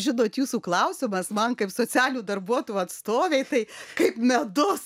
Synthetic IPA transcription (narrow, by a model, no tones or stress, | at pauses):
ʒʲɪnoːt̪juːsuːklˠɐʊsʲɪmɐsmɐnkɐɪpsoːt͡sʲæːlʲnuːd̪ɐrbuɔt̪ojuɐt̪st̪oːʋʲeɪt̪ɐɪkɐɪpmʲɛd̪ʊs